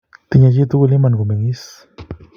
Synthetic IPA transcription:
t̪i˧ɲa˧ji˦t̪u˦ɡu˧li˦ma˧nɡu˨me˨ni˦s

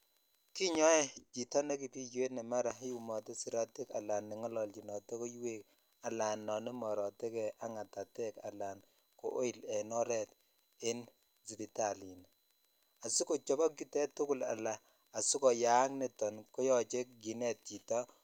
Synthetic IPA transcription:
ki˦ɲɔ˦ɛ˦t͡ʃi˨tɔ˦ne˦ki˨pi˦d͡ʒwe˦tnɛ˨ma˦ɾa˨ɦi˦u˨mɔ˨tɛ˦si˨ɾa˦ti˦ka̰˨la˨nːɪ˨ŋɔ˦lɔ˨lt͡ʃi˨nɔ˨te˦ko˦jwe˦k | a˨la˨nːɔ˨ni˦mɔ˨ɾɔ˨tɛ˦kɛ˨ʔa˦ŋa˨ta˨tɛ˦ka̰˨la˨n | ko̰˨ʔo˦i˨lɛ˨nɔ˦ɾɛ˦t | ɪ˦n | zi˨pi˨˦ta˨li˨n | a˨su˦ko˨t͡ʃɔ˦bɔ˦ɡu˦tɛ˦tʊ˦kʊ˦˨la̰˨laː˨ | su˦kɔ˨ja˦ŋne˨tɔ˨nkɔ˦jɔ˦˨t͡ʃe˦kɡi˨nɛ˦t̚t͡ʃi˨tɔ˦

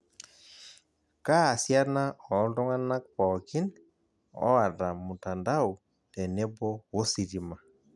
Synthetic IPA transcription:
ka˦a˨sja˦na˦ɔ˨˦ndɔ˦ŋa˦na˦k̚pɔ˨kɪ˦n | ɔ̰˦a˨ta˨mʊ˨ta˨nda˦u˨ | tɛ˨nɛ˦bɔ˦wo˦si˨ɾi˨ma˨

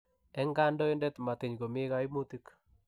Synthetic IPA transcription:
ɛ˦ŋɡa˦ndɔ˦ɪ˦ndɛ˦t̪ma˨t̪ɪ˨ɲɡo˨mɪ˦ɣa˦i˦mu˦t̪i˦k

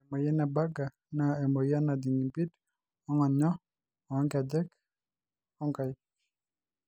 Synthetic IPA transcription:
ɛ˨mɔ˨jɛ˦na˨ba˦ɡa˨ | na˨ɛ˨mɔ˨ja˦na˨di˨ŋi˨mbi˦d | ɔ˦ŋɔ˨ɲɔ˦ | ɔ˨˦ŋɡa˨dɛ˦k | ɔ˦ŋka˨j

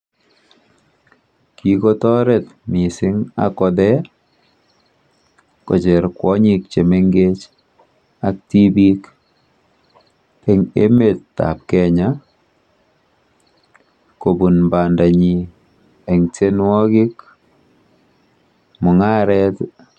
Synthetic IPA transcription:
ki˨ko˦tɔ˦ɾɛ˨tmi˨sɪ˦ŋa̰˨kɔ˦dɛ˦ | kɔ̰˨t͡ʃɛ˨ɾkwɔ˦ɲi˨k̚t͡ʃe˨me˦ŋɡe˦t͡ʃ | a˨k̚ti˦bi˦k | e˨ŋe˦me˨ttːa̰˨p̚kɛ˨ɲa | ko˨bu˨nba˨nda˨ɲi˨ | ɛ˨ŋte˦nwɔ˦kɪ˦k | mʊ˨ŋa˦ɾɛ˦t

